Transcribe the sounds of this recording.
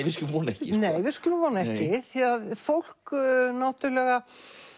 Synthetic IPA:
vɪskʏlʏmvɔːnaɛhcɪneːjvɪðɾskʏlʏmvɔːnaɛhcɪθiaðfowl̥knawt̪ʏɾlɛɣa

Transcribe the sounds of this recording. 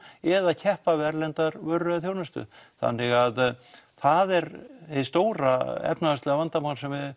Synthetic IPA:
ɛðaðcʰɛhpavɛɾlɛnt̪aɾvœrːʏðaθjoːwnast̪ʏ̰θa̰nːɪɣaðθaðɛɾhest̪oːwɾa̰ɛ̰pnaast̪ɛɣavant̪amawnsɛmvɪð

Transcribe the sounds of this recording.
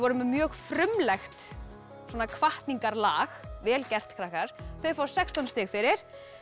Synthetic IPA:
vɔɾʏmmjœːɣfɾʏmlɛxt̪ | swɔːnakʰvaht̪niŋkaɾlaːxvɛːlcɛr̥t̪kʰɾahkaɾ̥θœɥfawsɛkst̪anst̪ɪxfɪɾɪɾ̥

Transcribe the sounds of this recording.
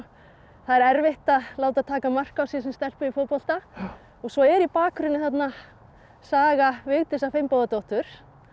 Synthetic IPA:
θaðɛɾɛɾvɪht̪aðlaːwt̪aðt̪ʰaːkamar̥kawsjiɛsɛmst̪ɛl̥pʏifopɔl̥t̪a | ɔɣsvɔɛɾipaːkɾʏnːɪθat̪na | saːɣavɪɣt̪ɪsafɪjmpowðat̪owht̪ʏɾ̥

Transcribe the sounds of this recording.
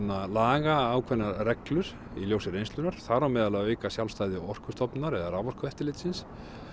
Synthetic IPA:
nːalaːɣaːwkʰvɛnːarɛklʏɾ̥ | iljowsɪrejnsʏnaɾ̥θaɾawmɛːðalaeːɥkasjawlfst̪ajðɪɔr̥kʏ̥st̪ɔpnaɾɛðaravɔr̥kʏvɛht̪ɪlɪt̪sɪns

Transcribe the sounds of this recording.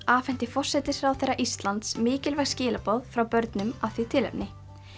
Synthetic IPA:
aːfɛn̥t̪ɪfɔr̥sɛt̪ɪɾ̥ɾawθejrːaʔist̪lant̪smɪːcɪlvɛxscɪːlapɔðfɾawpœɾt̪nʏmaθvit̪ʰɪlɛ̰pnɪ

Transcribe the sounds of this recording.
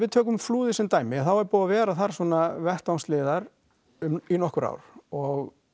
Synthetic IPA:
vɪðt̪ʰœːk̬ʏmfluːðɪsɛmt̪aːjmɪθawɛɾpuːðavɛːɾaθaɾ̥swɔːnavɛr̥t̪awnslɪːðaɾ | ʏminɔhkʏɾa̰wɾ̥ɔɣ

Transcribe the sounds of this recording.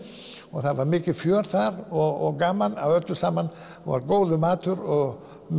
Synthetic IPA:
ɔθaðvaɾmɪːcɪfjœːɾθaɾɔɔɡaːmana̰wœt̪lʏsaːman | ʋɔ̰ɾɡoːwðʏmaːt̪ʰʏɾɔ | m

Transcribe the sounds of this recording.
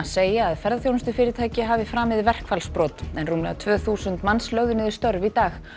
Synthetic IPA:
seːjaːðfɛɾðaθjownst̪ʏfɪːɾɪt̪ʰaːjcɪɦaːvɪfɾaːmɪðɪvɛr̥kfalspɾɔːt̪ɛnruːmlɛ̰at̪ʰvœːθuːsʏnt̪manslœɣðʏnɪðɪst̪œɾvit̪aːx

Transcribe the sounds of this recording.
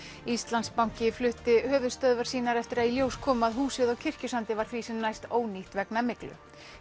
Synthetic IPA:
ist̪lant̪spawŋ̥cɪflʏht̪ɪhœːvʏst̪œðvaɾ̥siːnaɾɛft̪ɪɾaðiljowskʰɔːmaðɦuːsɪðawcʰɪr̥cʏsant̪ɪvaɾ̥θvisɛmnajst̪oːwniht̪vɛknamɪklʏ̰

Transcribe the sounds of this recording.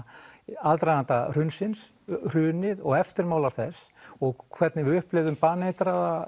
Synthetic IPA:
alt̪ɾajnant̪ar̥ʏnsɪns | r̥ʏːnɪðɔɣɛft̪ɪɾmaːwlaɾ̥θɛsːɔɣkʰvɛt̪nɪvɪʏhplɪvðʏmpaːnejt̪ɾaða

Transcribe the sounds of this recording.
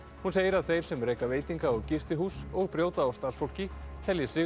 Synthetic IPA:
hunseːjɪɾaðθejɾ̥sɛmreːjkaveːjt̪iŋkaɔðcɪst̪ɪɦuːsɔɣpɾjoːwt̪aːwst̪aɾsfowl̥cɪt̪ʰɛljɪsɪ

